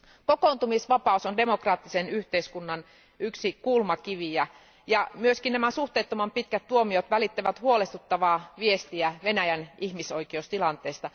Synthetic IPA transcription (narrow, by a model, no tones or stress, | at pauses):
kokoˑnt̪umisʋɑpɑˑusonde̞mo̞krɑːt̪ːisenyht̪eiskunːɑn | yksikulmɑkiʋiæ | jɑmyøskinnæmæsuht̪eːt̪ːomɑmpit̪̚kæt̪t̪uomiot̪ʋælit̪ːeʋæt̪huolest̪ut̪ːɑʋɑːʋiest̪iæʋenæjænihmisoikioust̪ilɑnt̪ˑeːst̪ɑ